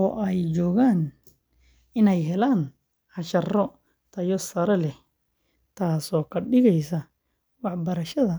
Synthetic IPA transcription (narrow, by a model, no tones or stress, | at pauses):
ɔːʔɛjt͡ʃɔːɣaːn | ɪnɛjɦɛlaːn | ħɑʃɐrɔ | t̪ʰɐjɔsɐɾɛlɛ | t̪ʰaːsɔːkʰɐɖɪɣɛjsɐ | wɑħbɐɾɐʃɐðɐ